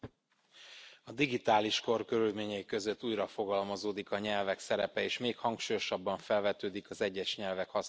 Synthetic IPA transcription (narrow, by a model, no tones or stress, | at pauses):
ɒd̪iɡit̪aːliʃko̞rkø̞ɾylmeːɲɛjikø̞zøt̪ːuːjrɒfo̞ɡɒlmɒzoːd̪ikɒɲɛlvɛksɛɾɛpɛeːʃmeːkhɒŋkʃuːjo̞ʃɒbːɒɱfɛlvɛt̪øːd̪ikɒzɛɟːɛʃɲɛlvɛkhɒs